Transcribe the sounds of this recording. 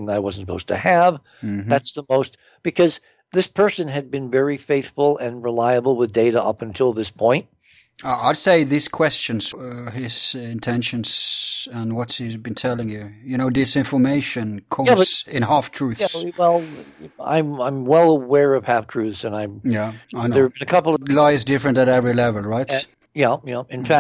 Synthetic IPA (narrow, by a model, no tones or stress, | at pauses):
ŋðəɾaɪwʌzn̩səpʰoʊz̥tʰɨɨv̩ | mðætsðəmoʊst | b̥ɨkʰʌz | ðɪspʰɜ˞sɨ̃nɨd̚bɨ̃nvɛɹifeɪθfl̩ˠɨ̃nɹəlaɪɨbl̩ˠwəðdeɪɾəʔʌ̰pɨ̃n̩tʰɪlˠðɪspʰɔ̃ɪ̃nt̚ | aaɪd̥seɪðɪskʰw̥ɛst͡ʃɨ̃nsɪz̥ɪ̃ntʰɛ̃nʃɨ̃nz̥ə̃nwʌtsizbɨ̃ntʰɛlˠɪ̃ŋjʉjɨnoʊdɨsɪ̃ɱfə˞meɪʃɨ̃nkʰɔʌsɪ̃nɦæftʰɹ̥ʉθswɛlˠã̰ɪ̃mãɪ̃mwɛlˠəwɛɹʌv̥hæftʰɹ̥ʉθsɨ̃naɪjæaɪnə˞bɨ̃nɨkʰʌpl̩ˠʌlaɪzdɪfɹɨ̃ntɨɾɛvɹilɛvəl̩ˠɹaɪt | jæjæɨ̃nfæ